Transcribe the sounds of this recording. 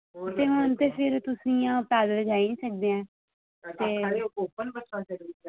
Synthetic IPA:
eːɦʊnt̪eːpʰɪɾt̪ʊsĩjãːpɛːd̪ləd͡ʒaːinĩːsək̚d̪eːãː | t̪eːaɾeokoːpənbət͡ʃʰãːsəkd̪i

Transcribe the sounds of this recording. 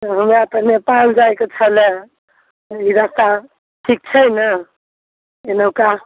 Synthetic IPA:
ɦəmɾapənepald͡ʒaeket͡ʃʰəle | iɾast̪a | ʈʰik̚t͡ʃʰəjnə | enəwka

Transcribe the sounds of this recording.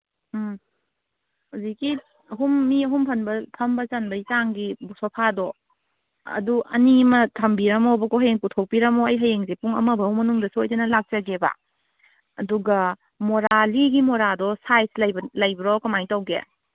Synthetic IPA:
aziki | ɐɦumːiɐɦumpʰɐnbɐpʰɐmbɐt͡ʃɐnbɐitaŋɡibusopʰadɔ | ɐ̰duʔɐ̰nimɐtʰɐmbiɾɐmobɐkoɦɐjeŋputʰow̚piɾɐmoɐjɦɐjeŋzepuŋɐ̰mɐbɐwmɐnuŋdɐsuojtenɐlak̚t͡ʃɐɡeba̰ | ɐduɡɐ | moɾaliɡimoɾadɔsajslɐjblɐjbiɾɔkɐmajtawɡḛ

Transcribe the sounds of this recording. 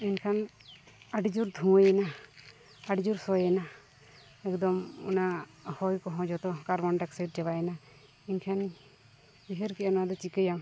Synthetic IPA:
inkʰan | aɖid͡ʒuɾd̪ʱũəjɛna | aɖid͡ʒuɾsɔjɛna | ɛkd̪ɔmɔ̰nahɔjkɔɦɔ̃d͡ʒɔt̪ɔkaɾmanɖaksət̚d͡ʒɛbajɛna | inkʰan | biɦəɾkɛɔnad̪ɔt͡ʃikəjaŋ

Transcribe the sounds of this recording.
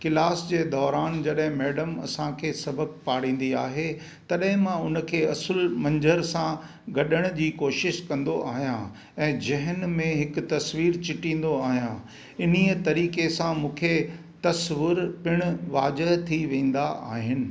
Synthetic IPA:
kɪlaːsd͡ʑeːd̪ɔːɾaːnd͡ʑɐɗɦɪ̃mɛːɖəmɐ̰sãkʰeːsɐbʱək̚paːɽ̤ĩːn̆d̪iaːɦe | t̪ɐɗɦɪ̃mãʊnə̆kʰeːɐsəlmɐ̃ɲd͡ʑəɾsã | ɡɐɗəɽ̃d͡ʑiːkoːʃɪʃkɐ̃nd̪oʔaːɦijã | ɛ̃ːd͡ʑɐɦənmẽɦɪkʊ̆t̪ɐsʋiːɾt͡ɕɪʈĩːn̆d̪oaːɦijã | ɪniət̪ɐɾiːkesãmũːkʰe | t̪ɐsʋɪɾpɪɽ̃ʊ̆ʋaːd͡ʑəɦt̪ʰiʋẽːn̆d̪aʔaːɦɪnɪ̆

